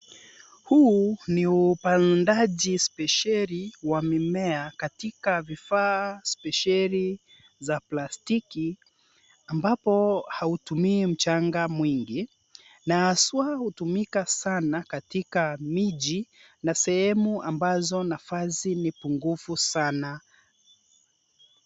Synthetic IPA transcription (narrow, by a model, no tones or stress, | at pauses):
huniupandaʄispɛʃɛɾiwamimɛakatikavifaːspɛʃɛɾi | zaplastiki | ambapɔhautumiːm̩t͡ʃaŋɡamwiŋɡi | naːswahutumikasanakatikamiʄi | nasɛhɛmuambazɔnafazinipuŋɡufusana